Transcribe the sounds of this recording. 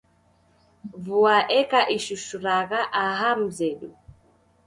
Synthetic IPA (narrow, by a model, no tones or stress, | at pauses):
vuaʔɛkaʔiʃuʃuɾaɣaʔaɦam̩zɛɗu